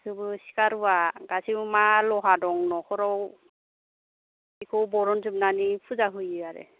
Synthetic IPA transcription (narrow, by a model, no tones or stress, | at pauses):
sʰɯbɯsi̥kaɾuwaɡasimalɔɦadɔŋnɔkʰɔɾɔw | ikʰɔwbɔɾɔnzɯb̚nanipʰuzaɦɯjiaɾɛ̰